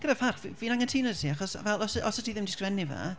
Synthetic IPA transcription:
ɡ̥əɾḁfarχviviːnaŋantʰiːnɔdtʰiːaχɔsvɛlˠɔsʔɔsətʰiðɪmdɪskvɛniva̰

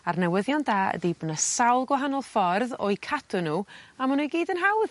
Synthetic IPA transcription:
arnɛwəðjɔndaːə̰dibənəsawlˠɡwaɦanɔlˠfɔrðɔ̰jkʰadʰʊnuːamanuɡiːdənɦawð

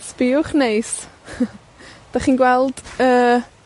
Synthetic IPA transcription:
sb̥ɪʊχnejs | d̥aχiːnɡwɛlˠd̥əː

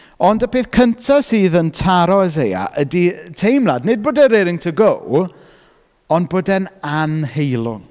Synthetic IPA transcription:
ɔndəpʰeːθkʰəntʰasiːðəntʰaɾɔɛzeja̰ʔəditʰejmlˠadnɪd̚boːdɛɾeɾɪŋtʰəɡow | ɔnd̚boːdɛnanhejlˠʊ̰ŋ

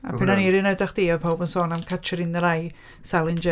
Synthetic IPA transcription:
a̰pʰɪnaniɾɪnodaχd̥iːɔpʰɔwbənsoːnamkʰat͡ʃʰəɾɪnəɾaj | salˠɪnd͡ʒɛ

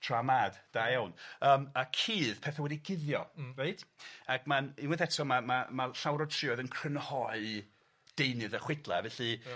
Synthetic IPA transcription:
tʰramaːd̥d̥ajawnəːmakʰiːð̥pʰɛθawɛdiɡɪðjɔ̰red̥aɡmaninwɪθɛtʰɔmamamaɬawɾɔ̥tʰrɪɔðənkʰr̥ənhɔɨ | d̥ejnɨðəχwɪdlˠavɛɬɨ

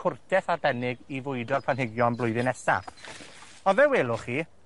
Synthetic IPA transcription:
ʊrdʰɛθarbɛnɪɡivʊɨdɔrpʰanɦɪɡjɔnblˠʊɨðɪnɛsa̰ | ɔnvɛweːlˠʊχiː

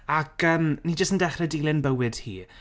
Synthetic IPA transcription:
akəːmniːd͡ʒəstən̩dɛχrɛdilˠɪnbəwɨd̥hḭː

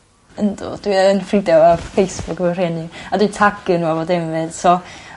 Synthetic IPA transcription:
əndɔ̰d̥wiənfridɛwafejsb̥ʊkvɛr̥ɛnɪadwɨtʰaɡənwavodɛmvɨð̥sɔ

